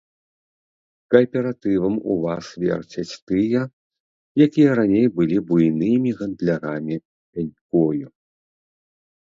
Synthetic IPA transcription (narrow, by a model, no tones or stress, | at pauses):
kɐpʲɛɾat̪ɨvɐmṵvasvʲɛ̰rt͡sʲɐt͡sʲt̪ɨjɐ | jakʲijɐɾanʲejbɨlʲibujnɨmʲiɣɐnd̪lʲaɾamʲi | alʲkɔju